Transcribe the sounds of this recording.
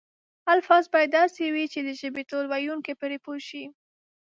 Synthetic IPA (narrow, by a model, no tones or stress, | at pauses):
alfɑzbɑjd̪d̪ɑsewit͡ʃed̪əʒəbet̪olwajuŋkepeɾepoʃi